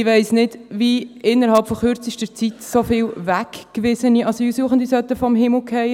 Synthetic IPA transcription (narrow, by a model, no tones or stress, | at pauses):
ɪʋæɪsnɪdviɪnːəɾhɑlpfɔχʏɾt͡siʃtət͡sit̪sofɪːlvækkʋɪsəniʔɑsoiusuəχən̩d̪isœt̪ːəfɔmɦɪml̩kʰɛɪ